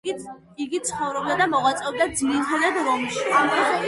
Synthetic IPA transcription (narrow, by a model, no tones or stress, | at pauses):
iɡit̪sʰχɔvɾɛbd̪ad̪amɔʁwat̪sʼɛb̚d̪ad̪ziɾit̪ʰad̪ad̪ɾɔmʃiamχʰɛ